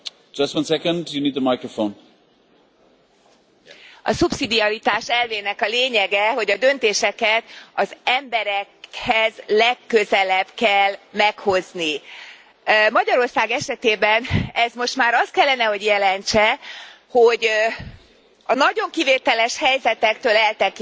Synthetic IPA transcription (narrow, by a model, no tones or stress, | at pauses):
d͡ʒʌstwʌ̃nsɛkə̃ndjuniːd̪əmajkɹəfõn | ɒ̰subsid̪iɒɾit̪aːʃɛlveːnɛkɒleːɲɛɡɛɦo̞ɟɒd̪ø̞nt̪eːʃɛkɛt̪ɒzɛmbɛɾɛkhɛzlɛkːøzɛlɛbkɛlːmɛkho̞zni | mɒɟɒɾo̞rsaːɡɛʃɛt̪eːbɛnɛzmo̞ʃt̪maːɾɒst̪̚kɛlːɛnɛɦo̞ɟjɛlɛnt͡ʃɛ | ho̞ɟ | ɒnɒɟo̞ŋkiveːt̪ɛlɛʃhɛjzɛt̪ɛkt̪øːlɛlt̪ɛk